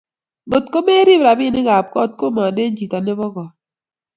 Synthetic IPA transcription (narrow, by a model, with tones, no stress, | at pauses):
bo˨tko˦me˦ɾi˦bɾa˨bɪ˦˨nɪ˦ɡa˨p̚kɔ˦t̚ko˦ma˨de˦n˦d͡ʒi˨ta˨ne˦bɔ˦ɡɔ˨